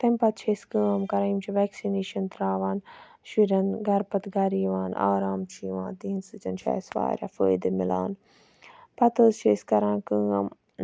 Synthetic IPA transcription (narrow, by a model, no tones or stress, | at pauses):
t̪ɐmpɐt̪̚t͡ʃʰeskə̃ːɐmkɐɾɐjmt͡ʃʰiʋɛːksineːʃɐnt̪ɾaːʋaːn | ʃiɾɐnɡɐɾpɐt̪ɡɐɾiːʋaːna̰ːɾaːmt͡ʃʰiːʋãːnt̪iːnsɨt͡ʃɐnt͡ʃʰa̰ːsʋa̰ːɾʲja̰fəːjd̪emɪla̰ːn | pɐt̪əːzt͡ʃʰeːskɐɾãːkɨːɐ̰m